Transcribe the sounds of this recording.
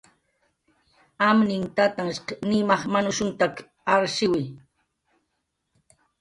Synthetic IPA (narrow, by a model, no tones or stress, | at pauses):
amnɪŋt̪at̪aŋʃqnɪmɑχmanʊʃʊnt̪ak | aɾʃɪwɪj